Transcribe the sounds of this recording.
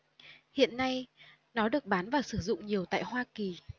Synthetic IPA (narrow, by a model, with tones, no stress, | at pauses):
hḭ˧˨ənːa˧j | nɔ˨˦ɗɨ˨˩ək̚ɓaː˨˦nvaː˨˩sɨ˧˩zʊ̰˧˨ŋ͡mɲi˨˩əwt̪a̰ː˧˨jhwaː˧ki˨˩